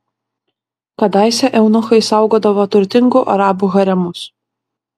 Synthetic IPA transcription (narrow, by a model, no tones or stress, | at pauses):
kɐd̪ɑˑɪsʲɛʔɛʊnʊxɐɪsɑˑʊɡoːd̪ɐʋoːt̪ʊɾʲt̪ʲɪŋɡʊʔɐɾɑːbuɣɐɾʲɛmʊs